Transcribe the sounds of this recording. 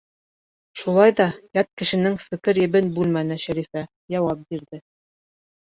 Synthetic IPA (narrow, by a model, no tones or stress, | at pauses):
ʃulˠɑjðɑjɑt̪̚kɘ̆ʃɘ̆nɘŋfɘ̆kɘɾjɘ̆βɘnbʉlmænɘʃæɾifæ | jɑwɑp̚biɾðɘ